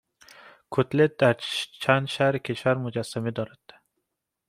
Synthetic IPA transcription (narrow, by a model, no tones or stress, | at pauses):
kʰɵt̪let̪̚d̪̥aɾt͡ʃʰanʃaɾkʲʰet͡ʃaɾmʊd͡ʒasːamɪd̪ɒɾat̪ːḁ